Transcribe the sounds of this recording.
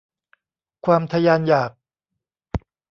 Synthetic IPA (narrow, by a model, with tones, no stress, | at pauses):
kʰwaː˧mt̪ʰa˧jaː˧njaː˨˩k̚